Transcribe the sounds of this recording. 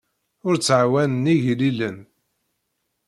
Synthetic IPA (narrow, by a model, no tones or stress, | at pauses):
ʊɾt͡sːʕwænəniʝlilən